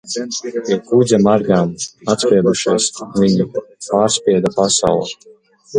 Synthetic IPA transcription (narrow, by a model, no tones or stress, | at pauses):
piɛkuzʲamaɾɡaːmat̪spʲiɛd̪uʃiɛsvʲiɲipaːɾsʲpʲiɛd̪apasa̰wlˠa